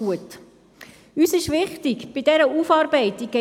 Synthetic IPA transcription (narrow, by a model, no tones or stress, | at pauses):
uət | yːsɪʃʋɪχtikb̥ɪdɛɾəufɑːɾbɛɪti̥ɛ